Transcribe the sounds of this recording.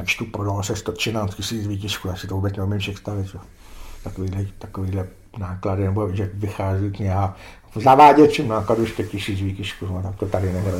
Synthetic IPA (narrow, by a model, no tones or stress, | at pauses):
jakt͡ʃt̪upɾodalosɛst̪ot̪t͡ʃɪnaːscʲɪsiːt͡sviːcɪʃkujaːsɪ̥t̪ovuːbɛt͡snɛumɪmʃɛkst̪aʋɪt̪ʒ̥ɛo | t̪akoʋiːdlɛt̪akoʋiːdlɛ | naːkladɪnɛboʒɛʋɪxaːzikɲɛɦa | zaʋaːɟɛt͡ʃɪmnaːkaduʃkɛcɪsiːt͡sviːcɪʃkunot̪ak̚t̪ot̪adɪnɛɦɾo